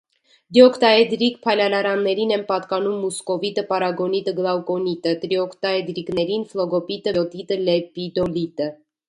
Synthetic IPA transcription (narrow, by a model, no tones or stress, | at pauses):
d̪jɔkt̪ɑɛd̪ɾik̚pʰɑjlɑlɑɾɑnːɛɾinɛnpɑt̪kɑnumːuskɔvit̪əpɑɾɑɡɔnit̪əɡlˠɑwkɔnit̪ət̪ɾiɔkʰt̪ɑɛd̪ɾiknɛɾinflɔɡɔpit̪əɔt̪it̪əlɛpid̪ɔlit̪ə